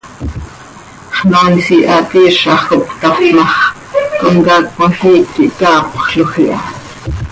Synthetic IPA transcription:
χnɑːnsiʔɑt̪iːʃɑχokʷt̪ɑfmɑχ | koŋkɑːkmɑɬiːkːiʔkɑːpχɬoχiʔɑ

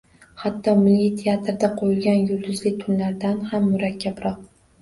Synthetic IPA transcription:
hat̪ʰːɒmɪlːit̪ʰeat̪ɾd̪aqʰojɪlɡʲanjʊld̪ʊzlɪt̪ʰʊnlaɾd̪anhamːʊɾakʲːabɾɒq̚

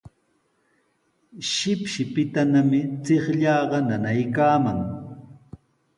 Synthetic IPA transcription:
ʃɪpʃɪpɪt̪anamɪt͡seχʎɑːɢɑnanajkaːmaŋ

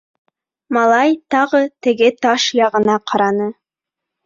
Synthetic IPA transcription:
mɑlˠɑjt̪ɑʁɤt̪ɘ̆ɡɘt̪ɑʃjɑʁɤ̆nɑqʰɑɾɑnɤ

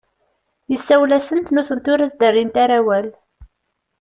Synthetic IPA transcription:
jəsːæwlæsənt̪nuθənt̪ʊɾæzd̪ərːint̪aɾawæl

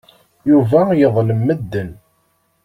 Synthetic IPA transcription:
juvæjəðˤləmːəd̪ːən

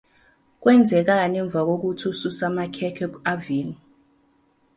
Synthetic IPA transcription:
k̬wɛnd͡zʱɛk̬anɛɱbvʱak̬ok̬utʰususamakʰɛkʰɛkaviːni

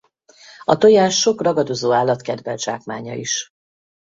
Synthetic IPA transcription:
ɒt̪ojaːʃːo̞krɒɡɒd̪o̞zoːaːlːɒt̪kɛd̪vɛlʒa̰ːkmaːɲɒ̰iʃ

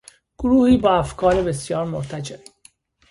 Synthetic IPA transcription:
ɡ̥oɾuːhiːbɒːæfkʰɒːɾebesjɒːɾmoɾt̪ʰæd͡ʒe

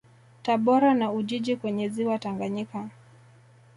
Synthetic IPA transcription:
taɓɔɾanauʄiʄikwɛɲɛziwataŋɡaɲika

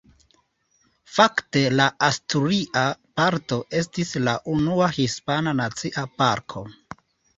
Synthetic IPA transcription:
fakte̞laastuɾiʔapaɾto̞ʔe̞s̬tislaʔunuahispananat͡siʔapaɾkʰo̞̰

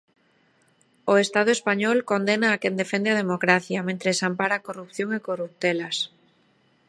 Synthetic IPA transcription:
oest̪að̞oespaɲɔlkond̪enaːkend̪efend̪eað̞emokɾaθjɐmẽnt̪ɾesampaɾakorupθjoŋekorup̚t̪elas

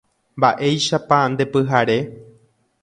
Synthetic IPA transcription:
mbaʔe̞jʃapand̪e̞pɨɦaɾe̞

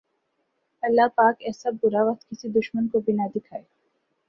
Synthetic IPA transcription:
ɐlːapaːkɛːsabʊɾaʋɐk̚t̪kɪsid̪ʊʃmənkobinad̪ɪkʰaːe

